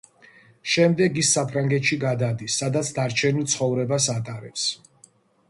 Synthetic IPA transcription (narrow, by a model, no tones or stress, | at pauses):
ʃɛmd̪ɛɡisːapʰɾaŋɡɛt̪ʃiɡad̪ad̪isːad̪at̪sʰd̪aɾt͡ʃʰɛnilˠt̪sʰχɔvɾɛbasat̪ʼaɾɛps